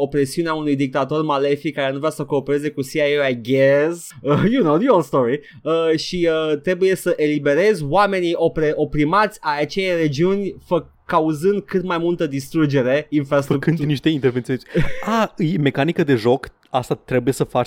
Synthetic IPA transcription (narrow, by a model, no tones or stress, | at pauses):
opɾe̞siuneaunujd̪ik̚t̪at̪o̞rmale̞fikːaɾe̞nuvɾasəko̞ːpe̞ɾe̞ze̞kusiajajɡez | əjunoʊd̪iolst̪oɹi | əʃiət̪ɾe̞buje̞səʔelibe̞ɾe̞zwame̞nio̞pɾeʔo̞pɾimat̪sʲajat͡ʃejajre̞d͡ʒiunʲfəkː | auzɨnd̪̚kɨt̪majmult̪əd̪ist̪ɾud͡ʒe̞ɾe̞infɾast̪ɾuk̚ɨnd̪niʃt̪eint̪eɾvent̪sionaɨjme̞kanikəd̪e̞ʒo̞k | ast̪at̪ɾe̞buje̞səfat͡ʃ